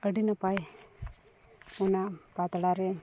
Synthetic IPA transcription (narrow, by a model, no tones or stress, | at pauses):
əɖinapaj | ɔnapat̪ɽaɾɛ